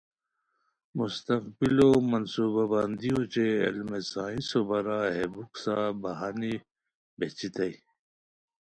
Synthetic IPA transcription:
must̪ɐqbilomɐnsuːbabaːnd̪ijot͡ɕḛːlmesaːĩsobɐɾaɦebuksabɐɦaːni | bet͡ɕit̪ɐi

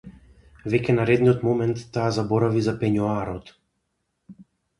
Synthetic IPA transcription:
vɛcʲɛnaɾɛd̪niɔt̪mɔmɛnt̪ːaːzabɔɾavizapɛɲɔaɾɔt̪

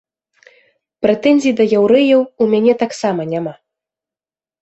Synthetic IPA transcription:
pɾɛt̪ɛnʲzʲijid̪ɐjawɾɛjɐwumʲanʲɛt̪aksamɐnʲama

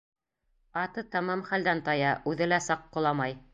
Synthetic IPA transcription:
ɑt̪ɤt̪ɑmɑmχæld̪ænt̪ɑjɑʔʉðɘlæsɑqːŏlˠɑmɑj

